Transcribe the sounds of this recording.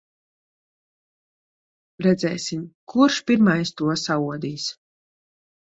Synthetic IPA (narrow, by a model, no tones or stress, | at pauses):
ɾɛd̪zɛ̰ːsimkʰuɾʃpʲiɾmajst̪uɔsauɔd̪iːs